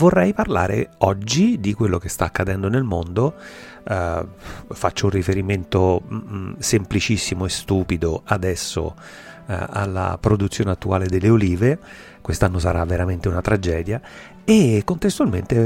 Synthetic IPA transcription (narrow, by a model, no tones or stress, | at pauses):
vorːɛjparla̰ːɾḛɔd͡ʒːid̪ikwelːok̟est̪aːkːad̪ɛnd̪onelmond̪o | fat͡ʃːounrifeɾiment̪o | semplit͡ʃisːimoest̪uːpid̪oad̪ɛsːo̰ | a̰lːa̰pɾod̪ut̪sːjoːneat̪ːuaːled̪elːeoliːve | kwest̪anːos̬aɾavːeɾament̪eunat̪ɾad͡ʒɛːd̪ja | ekːont̪est̪ualment̪e